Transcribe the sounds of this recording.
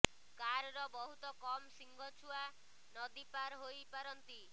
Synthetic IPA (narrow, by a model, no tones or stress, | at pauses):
kaɾɾɔbɔɦut̪ɔkɔmsiŋɡʱɔt͡ʃʰua | nɔd̪ipaɾɦojpaɾɔnt̪i